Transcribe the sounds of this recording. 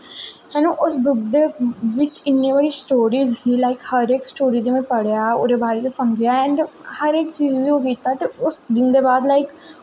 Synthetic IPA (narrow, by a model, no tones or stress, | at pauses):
hɛnõːʔʊsbʊɡd̪eːʋɪt͡ʃɪnːĩːbaːɽiːsʈoːɾiːzɦiːlaːɪkhəɾeːksʈoːɾiːd̪emẽpəɽjaːo̰ːɾeːbaːɾeːt͡ʃosəməd͡ʒjaːɛ̃ɳɖehəɾeːk̚t͡ʃiːzikokiːt̪at̪eʊsd̪ɪnd̪eːbaːd̪laːɪk